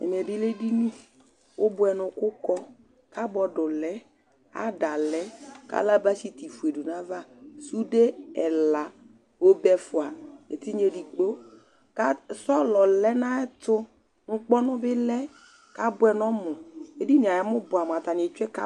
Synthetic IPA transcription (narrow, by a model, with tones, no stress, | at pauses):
ɛ̰˨m˨ɛ˨bɪ˦le˦di˦nũ˦ | ʊ˦bʊ˦ɛ˨nʊ˨kʊ˦kɔ˦ | ka˦bɔ˨dʊ˨lɛ˦ | a̰˦da˨lɛ˦ka̰˦la˦ba˦ʃi˦ti˨fu˨e˨du˨na˦va˦su˦de˦ɛ˨la˨ | o˦bɛ˦fʊ˨a˨e˨ti˦ɲe˨di˨k͡po˦ | ka˦sɔ˦lɔ˨lɛ˦na˦ɛ˦tʊ˦ | ŋ̩˦k͡pɔ˦nʊ˦bɪ˦lɛ˦ | ka˦bʊ˦ɛ˨nɔ˦mʊ˨e˦di˦n˨a˨ja˨˦mʊ˦bʊ˨a˨m˨a˨ta˨n˨e˨t͡ʃɛ˦ka˦